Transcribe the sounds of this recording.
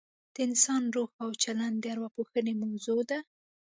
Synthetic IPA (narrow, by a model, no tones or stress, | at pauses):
d̪̥əɪnsɑnɾoxawt͡ʃaland̪d̪əaɾwapoxənemawzod̪a